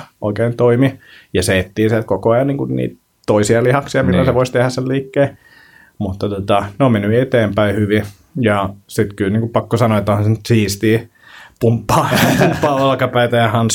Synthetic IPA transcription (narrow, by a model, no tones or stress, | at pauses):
o̰ikeːnt̪oimijɑseet̪ːiːnsiælt̪̚kokoɑjɑnniːŋkunnḭːt̪ | t̪oisiɑlihɑksiɑmilːæseʋoist̪ehæsselliːkːeː | mut̪ːɑt̪ot̪ɑneomenːyet̪eːmpæihyʋi | jɑsit̪kylniːŋkupɑkːosɑnoet̪ːohɑnsenyt̪siːst̪iː | pumpːɑːpumpːɑːɑlkɑpæit̪æjɑhɑns